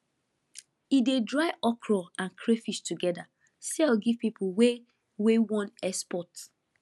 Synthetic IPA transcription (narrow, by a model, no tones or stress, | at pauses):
idedɹaɪʔɔkʰɹɔãnkʰɹefiʃtuɡɛda | sɛlɡiv̥pipʰuwe | wewɔ̃nɛspɔt